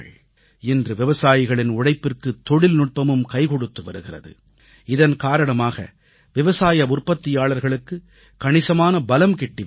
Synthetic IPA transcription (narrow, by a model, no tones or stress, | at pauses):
ɭ | ɪndrɯʋɪʋɐsaːjɪɣɐɭɪnʊɽɐɪpːɪrkɯt̪ːɔɽɪlnʊʈ̚pɐmɯmkɐɪkɔɽɯt̪ːɯʋɐɾɯɣɪrɐ̰ðɯ̰ | ɪðɐnkaːɾɐɳɐmaːɣɐ̰ | ʋɪʋɐsaːjɐʊrpɐt̪ːɪjaːɭɐɾɣɐɭɯkːɯ | kɐɳɪsɐmaːnɐbɐlɐmkɪʈːɪ